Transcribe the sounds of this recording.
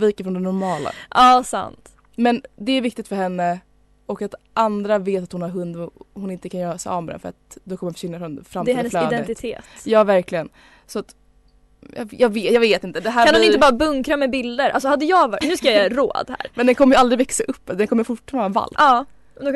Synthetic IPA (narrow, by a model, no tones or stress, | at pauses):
viːkaəfɾɔnd̪ɛnɔɾmɑːla̰ʔɑːsa̰nt̪ | mɛnd̪ɛæɾvɪk̚t̪ɪ̥t̪fœɾhɛnːə | ɔkat̪ʔand̪ɾaveːt̪at̪hʊnhaɾɦɵnd̪ɔhʊnɪnt̪əkʰanjœːɾasɛ̰ɔ̰vmɛd̪ɛ̰fœɾa̰t̪d̪ɔkʰɔmːnfœ̥ʂɪnːafɾɔnfɾamt̪ːɛflœːd̪ɛt̪ɪt̪ʰḛːt̪jɑːvæɾklɪɡən | sɔat̪ | jɑ̰jɑːɡveːjɑːɡveːt̪ɪnt̪əd̪ɛɦæːɾanhʊnɪnt̪əbɑːɾabɵŋkɾamɛbɪld̪əɾʔa̰ls̬ɔhad̪ːəjɑːvnʉ̟skajajɾo̰ːd̪hæ̰ːɾmɛnd̪ɛnkʰɔmːəjʏald̪ɾɪvɛksaʔɵpːd̪ɛnkɔmːəfʊʈfanɑːva̰lɑː | d̪ɔ